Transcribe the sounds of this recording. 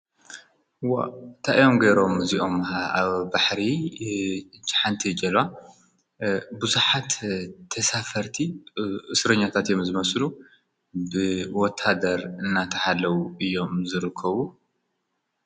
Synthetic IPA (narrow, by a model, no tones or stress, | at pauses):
ɨwa̰nt̪ʰaʔijo̞mɡeɾo̞mziʔo̞maβbaħɾi | t͡ʃħant̪ʰid͡ʒɐlwa | buzuħat̪t̪ʰɐsafɐɾt̪ʰiʔɨsɾɐɲːat̪ʰat̪jo̞mzɨmɐslu | bɨwɔt̪ʰːad̪ɐɾɨnːat̪ʰɐħalːɐwuɨjːo̞mzɨɾɨkʰːɐβu